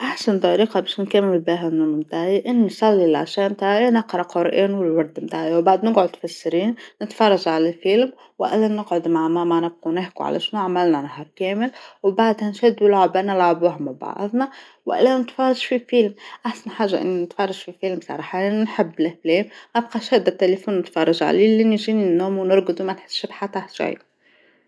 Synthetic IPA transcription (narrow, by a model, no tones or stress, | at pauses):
ʔaħsant̪ˤɑɾiːqɑbæʃnkæmːɪlbiɦænunmt̪aːʕiʔɪnːisˤɑlːilʕa̰ʃæːmt̪aːʕʔænɑqɾˤɑqʊɾˤʔiːnwɪlwɑɾˤd̪mt̪aːʕjwbaʕd̪nɪɡʕʊd̪fasːɾiːnːɪt̪fɑrˤːɑʒʕalælfilm | wʔæ̰lːænːɪɡʕʊd̪maʕmamanɪb̚qunɪħkuʕa̰lʔæ̰ʃnuʕamælnænaɦɑɾˤkæːmɪlwbaʕd̪hænʃæd̪ʊlʕabʔænɪlʕabʊhmaba̰ʕðˤnɑ | wʔæ̰lːænɪt̪fɑrˤːɑʒfifilmʔaħsænħaːʒːaʔɪ̰nːinɪt̪fɑrˤːɑʒfifilmsˤɑ̰ɾˤɑːħɑnħɪbːlɪfleːmʔɑb̚qɑʃhæːd̪æt̪ːelefuːnːɪt̪fɑrˤːɑʒʕa̰lilːinʒiːninːuːmwnʊɾɡəd̪umænħɪ̥sːbħat̪ːaħʒa̰j